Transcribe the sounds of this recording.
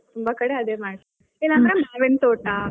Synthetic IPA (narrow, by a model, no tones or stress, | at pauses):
t̪umbakɐɽeɐd̪eːmaːɽ | elːanɾemaːʋent̪oːʈa